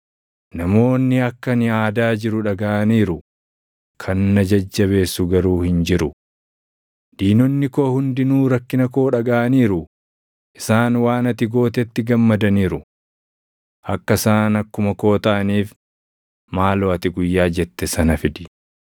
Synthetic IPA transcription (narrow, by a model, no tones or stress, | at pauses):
nɐmo̞ːnːɪɐkːɐnɪaːd̪aːd͡ʒɪɾʊᶑɐɡaːʔɐniːɾʊ | kʰɐnːɐd͡ʒɐd͡ʒːɐβe̞ːsːʊɡɐɾuːhɪnd͡ʒɪɾʊ | d̪̥iːnɔnːɪkoːhʊnd̪ɪnuːɾɐkːɪnɐko̞ːᶑɐɡaːʔɐniːɾʊ | ʔɪsaːnwaːnɐt̪ɪɡo̞ːt̪ɛt̪ːɪɡɐmːɐd̪ɐniːɾʊ | ʔɐkːɐsaːnɐkːʊmɐko̞ːt̪ɐʔɐniːf | maːloːɐt̪ɪɡʊjːaːd͡ʒɛt̪ːɛsɐnɐfɪd̪ɪ